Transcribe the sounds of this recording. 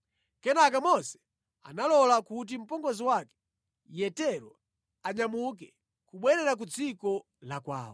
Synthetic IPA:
kɛnak̬amɔsɛ̥ | a̰nalɔlakut̬im̩pɔŋɡɔziwakɛ̥ | jɛtɛɾɔ | aɲamuk̬ɛ | kuɓwɛɾɛɾak̬ud͡zikɔ | lakwa̰ːwɔ

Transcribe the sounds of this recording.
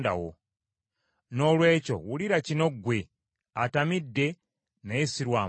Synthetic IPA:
da̰wo̰ | nolweːt͡ʃo̰wuliɾat͡ʃinoɡwe | atamidːe | naesiɾwaː

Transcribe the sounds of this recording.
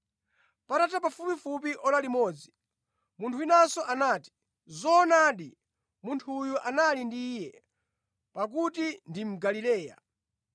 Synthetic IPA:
patatapafupifup̬iʔɔlalimɔːd͡zi | muntʰuinasɔʔanaːti̥ | zɔnaːɗi | muntʰujuʔanalindijɛ | pak̬utindim̩ɡalilɛːja̰

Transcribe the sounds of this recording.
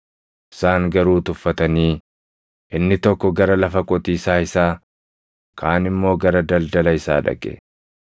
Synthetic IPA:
ʔɪ̥saːŋɡɐɾuːt̪ʊfːɐt̪ɐniː | ʔɪnːɪt̪ɔkːɔɡɐɾɐlɐfɐkʼɔt̪iːsaːɪsaː | kʰaːnɪmːo̞ːɡɐɾɐd̪ɐld̪ɐlɐɪsa̰ːᶑɐ̰kʼːɛ̰

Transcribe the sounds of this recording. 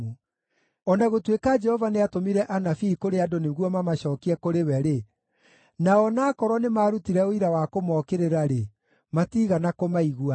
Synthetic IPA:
u | ɔnaɣotwekad͡ʒɛhɔvaneatomiɾɛʔanafiːkoɾeadoneɣwɔmamaɕɔːkiɛkoɾewɛɾe | naɔnaːkɔɾɔnemaːɾutiɾɛoiɾawakomɔkeɾeɾaɾe | matiːɣanakomaiɣua

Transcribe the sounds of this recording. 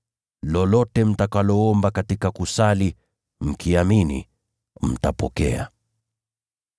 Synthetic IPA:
lɔlɔtɛm̩takalɔɔmbakatikakusali | m̩kʰiaminḭ | m̩tapɔkɛ̰a̰

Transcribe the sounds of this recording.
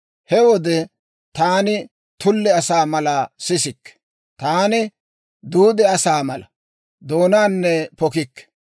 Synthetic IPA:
hɛwɔd̪ɛ | t̪aːnɪ | t̪ʊlːɛɐsaːmɐlɐsɪsɪkːɛ̥ | t̪aːnɪ | d̪uːd̪ɛɐsaːmɐlɐ̰ | d̪o̞ːnaːnːɛpɔkɪkːɛ̥

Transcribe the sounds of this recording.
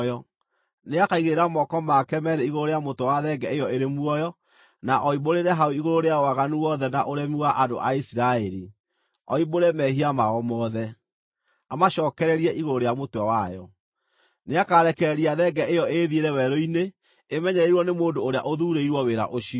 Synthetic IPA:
jɔ | neakaiɣeɾamɔkɔmakɛmɛɾeiɣoɾoɾejamotwawaðɛɡɛejɔeɾemwɔjɔ | naʔɔiboɾeɾɛɦaoiɣoɾoɾeaoaɣanuwɔðɛnaʔoɾɛmiwaʔado̰ʔaisiɾaɛɾi | ɔiboɾɛmɛhiamaɔmɔːðɛ | amaʃɔːkɛɾɛɾiɛʔiɣoɾoɾejamotawajɔ | neakaɾɛkɛɛɾiaðɛɡɛʔejɔeðieɾɛwɛɾoineː | mɛɲɛiɾwɔnemoːndoːɾea̰ʔoðuːɾeiɾwɔweɾa̰ʔoʃi

